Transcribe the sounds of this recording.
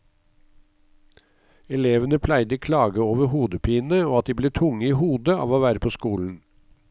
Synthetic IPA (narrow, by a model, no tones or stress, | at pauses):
ɛleːʋənəpʰlæɪd̪əkʰlɑːɡəoːʋəɾɦuːd̪əpʰiːnn̩əoːɑt̪̚d̪iːbleːt̪ʰʊŋːəiːɦuːd̪əɑ̰ːʋoːʋæːɾəpʰoːskuːln̩